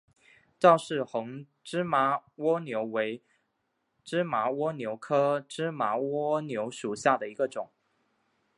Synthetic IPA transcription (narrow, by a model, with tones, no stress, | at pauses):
ʈ͡ʂɑ˥˧ʊʂɻ̩˥˩xʊ˧˥ŋ | ʈ͡ʂɻ̩˥ma˧˥wɔ˥njo˧˥ʊwe˧˥ɪ | ʈ͡ʂɻ̩˥ma˧˥wɔ˥njo˧˥ʊkʰɤ˥ʈ͡ʂɻ̩˥ma˧˥wɔ˥njo˧˥ʊʂu˨˩ɕja˥˩d̪ə˩i˧˥ɡə˧ʈ͡ʂʊ˨˩˦ŋ